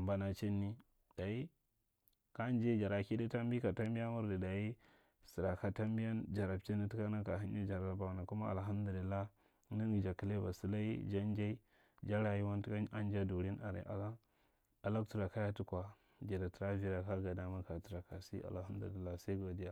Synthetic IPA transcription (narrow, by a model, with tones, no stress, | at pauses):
mba˨na˨t͡ʃe˦nːi˦ | d̥a˨i˦ | ka˦nd͡ʒe˦d͡ʒa˨ɾa˨ki˦di˦ta˦mbi˦ka˨ta˦mbi˦a˦mu˦ɾdi˨da˨i˦ | si˨ɾa˨ka˨ta˦mbi˦ja˦nd͡ʒa˨ɾa˨bt͡ʃi˦ni˦ti˦ka˦na˦ka˨ɦi˦n˦i˦d͡ʒa˨ɾa˨˦˨ba˨na˨ku˦ma˦a̰˨lɦa˦mdu˨li˨lːa˦ | ni˦n˦ɡi˨d͡ʒa˨ki˨˦le˦ba̰˨su˦la˦i˦d͡ʒa˦nd͡ʒa˦i˦ | d͡ʒa˦ɾa˨ji˦wa˦n˦ta˦n˦d͡ʒa˦du˨ɾi˦na̰˨ɾḭ˨˦ʔa̰˨la˦ | a˨la˦ktu˦ɾa˨ka˦ja˦tu˦kʷa˨ | d͡ʒi˨da˨ti˨ɾa˦vi˦ɾa˨ka˦ɡa˨da˦ma˦ka˨tu˨ɾa˨ka˨sḭ˦a̰˨lha˦du˨i˨lːa˦˨sa˦i˦ɡo˨di˦ja˦